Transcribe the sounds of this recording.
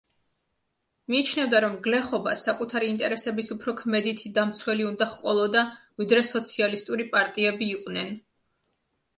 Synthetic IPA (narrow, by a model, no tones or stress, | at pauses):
miːt͡ʃʰnɛvd̪aɾɔmɡlɛχɔbasakʼut̪ʰaɾiːnt̪ʼɛɾɛsɛbisupʰɾɔkʰmɛd̪it̪ʰid̪amt̪sʰwɛliund̪aχqʼwɔlˠɔd̪avid̪ɾɛsɔt̪sʰialist̪ʼuɾipʼaɾt̪ʼiɛbiːqʼnɛn